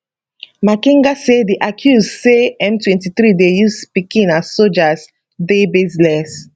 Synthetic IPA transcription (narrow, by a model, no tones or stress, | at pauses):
makĩŋɡasediʔakʰjuzseɛ̃ntʰwɛ̃ntiθɹidejusspikĩnazsod͡ʒas | debizlɛs